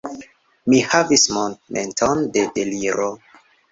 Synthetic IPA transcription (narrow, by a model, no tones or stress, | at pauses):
mihavismõndmʔḛ̃ntʰondedeliɾo